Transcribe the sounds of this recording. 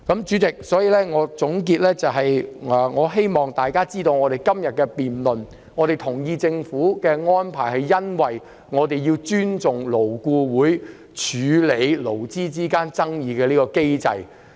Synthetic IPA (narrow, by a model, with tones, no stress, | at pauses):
kɐ˨˥mt͡ʃyː˨˥t͡sɪ˨k̚sɔː˨˥jiː˨˧lɛː˥ŋɔː˨˧t͡sʊ˨˥ŋk̬iː˧t̚lɛː˥t͡sɐ˨wɦɐ˨jŋɔː˨˧ɦe˥jmɔː˨ŋt̪aː˨jkaː˥t͡siː˥t̪o˧wŋɔː˨˧ɾe˨˩jkɐ˥mjɐ˨t̚kɛː˧piː˨nlɵ˨n | ŋɔː˨˧ɾe˨jt̪ʰʊ˨˩ŋjiː˧t͡sɪ˧ŋfuː˨˥kɛː˧ŋɔː˥npʰaː˨˩jɦɐ˨jːɐ˥nwɐ˨j | ŋɔː˨˧t̪e˨jiː˧wt͡ʃyː˥nt͡sʊ˨ŋlo˨˩wkuː˧wuː˨˥j | t͡ʃʰyː˨˧le˨˧jlo˨˩wt͡siː˥t͡siː˥kaː˥nt͡sɐ˥ŋjiː˨˧kɛː˧liː˥kɔː˧ke˥jt͡sɐ̰˧j